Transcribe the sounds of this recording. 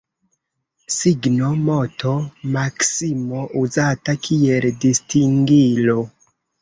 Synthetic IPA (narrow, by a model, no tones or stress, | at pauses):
siɡnomo̞to̞maksimoʔuzatakʰieldistiŋɡilo